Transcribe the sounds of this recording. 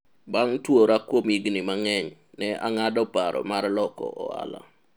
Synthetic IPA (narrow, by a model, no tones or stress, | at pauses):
baŋtwoɾakwomiɡnɪmaŋɛɲ | nɛʔa̰ŋadɔpaɾʔɔ̰marlɔkɔ̰ʔɔa̰la̰